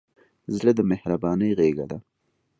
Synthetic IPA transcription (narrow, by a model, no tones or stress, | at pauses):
zɽəd̪əmɪhɾabɑnəjɣeɡad̪a